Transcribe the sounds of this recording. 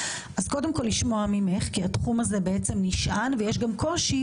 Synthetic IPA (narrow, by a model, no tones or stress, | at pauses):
ʔazko̞demko̞lːiʃmo̞amimeχkiatχumaze̞beet͡se̞mniʃʔanvejeʃɡamko̞ʃi